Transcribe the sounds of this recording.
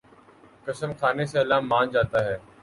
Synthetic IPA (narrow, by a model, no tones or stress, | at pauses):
kəsəmkʰaːneseɐlaːmːãːnd͡ʒaːt̪aːɦɛː